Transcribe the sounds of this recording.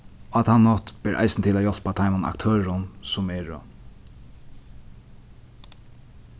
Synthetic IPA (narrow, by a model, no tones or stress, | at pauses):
at̪hanːɔt̪b̥ɛːɾʔa̰jsnt̪ʰɪlajɔl̥pat̪ʰajmana̰kt̪ʰøːɹʊnsʊmɛɹ̰